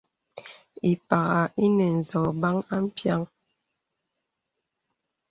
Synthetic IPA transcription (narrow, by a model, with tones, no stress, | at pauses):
i˨pa˨ɣa˨i˦nɛ˨n̩˨zɔ˨ba˦ŋa˦m̩˦pja˦ŋ